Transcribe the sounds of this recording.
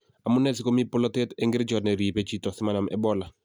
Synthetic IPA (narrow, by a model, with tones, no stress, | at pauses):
a˨mʊ˦nɛ˦˨sɪ˦ko˦mi˦pʊ˦lɔ˦te˦te˦ŋɡɪ˦ɾt͡ʃɔ˨tnɛ˨ɾi˨pe˦t͡ʃi˦tɔ˨sɪ˦ma˦na˨mʔɛ̰˦bɔ˦la˨